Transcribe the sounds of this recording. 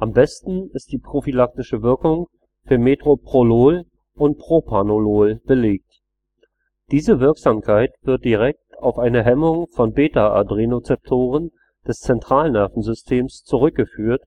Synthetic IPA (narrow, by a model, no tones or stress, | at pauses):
ʔambɛstn̩ɪst̚d̥iːpʁ̥ofilak̚tɪʃəvɪɐkʊŋ | fyːɐmeːtʁ̥opʁ̥oloːl | ʔʊnt̚pʁ̥opʰanoloːlb̥əleːk̚t | d̥iːzəvɪɐkz̥aːmkʰaɪtv̥ɪɐt̚d̥iʁɛk̚taʊfʔaɪnəɦɛmʊŋfɔnbeːtaa̰dʁinot͡sɛp̚tʰoːʁ̞ən | d̥ɛst͡sɛntʁ̥aːlnɛɐfn̩zʏstʰeːmst͡suʁ̞ʏk̚ɡ̥əfyːɐt